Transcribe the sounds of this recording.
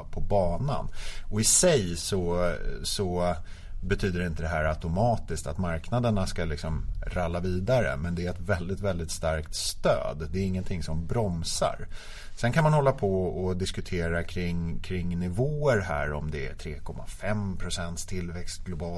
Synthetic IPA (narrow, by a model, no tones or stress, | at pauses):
pʰɔbɑːna̰nɔɪsɛjsɔsɔ | bɛt̪ʰyːd̪əɾɪnt̪əd̪ɛɦæːɾat̪ʊmɑːt̪ɪst̪at̪maɾknad̪əɳaskalɪksɔmɾalːaviːd̪aɾə̰mɛnd̪ɛæɾɛt̪vɛld̪ɪt̪vɛld̪ɪt̪st̪aɾkt̪st̪ø̰ːd̪d̪ɛːɾɪŋːənt̪ʰɪŋsɔmbɾɔmsa̰ɾ | sɛnkʰanmanhɔlːapʰɔɔd̪ɪskɵt̪ʰeːɾakʰɾɪŋkʰɾɪŋːnɪvoːəɾɦæ̰ːɾɔmd̪ɛæ̰t̪ʰɾeːkʰɔmːa̰fɛmpʰɾʊsɛnt̪st̪ʰɪlvɛkst̪̚ɡlʊbɑː